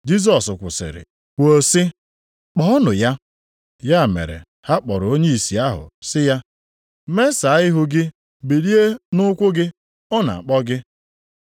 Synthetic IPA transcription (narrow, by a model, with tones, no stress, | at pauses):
d͡ʒi˦s̬ɔ˨sʊ˨kʷʊ˨sɪ̰˨ɾɪ̰˨ | wʷo˦sɪ˦ | k͡pɔ˦ɔ˦nʊ˨ja˦ | ja˦˨mḛ˨ɾḛ˨ | ha˦k͡pɔ˨ɾo˦ɲe˦i˨si˨a˦ɦʊ̰˨sɪ˦ja˦ | me˦sa˨˦ɪ˦ɦʊ˦ɡɪ˦ | bi˨ɾi˦e˦nʊ˦kʷʊ˦ɡɪ˦ | ɔ˦na̰˨a˨k͡pɔ˦ɡɪ˦